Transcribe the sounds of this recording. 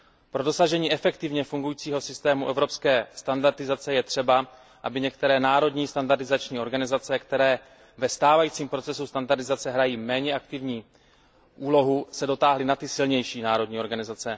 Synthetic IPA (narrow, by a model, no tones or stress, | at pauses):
pɾo̞do̞saʒɛɲiːʔɛfɛkt̪ɪvɲɛfuŋɡujiːt͡siːɦo̞sɪst̪ɛːmuʔɛvɾo̞pskɛːst̪andaɾdɪzat͡sɛjɛt̪r̝̥ɛba | ʔabɪɲɛkt̪ɛɾɛːnaːɾo̞dɲiːst̪andaɾdɪzat͡ʃɲiːʔo̞ɾɡanɪzat͡sɛkt̪ɛɾɛː | vɛst̪aːvajiːt͡siːmpɾo̞t͡sɛsust̪andaɾdɪzat͡sɛɦɾajiːmɛːɲɛʔak̚t̪ɪvɲiː | ʔuːlo̞ɦusɛdo̞t̪aːɦlɪnat̪ɪsɪlɲɛjʃiːnaːɾo̞dɲiːo̞ɾɡanɪzat͡sɛ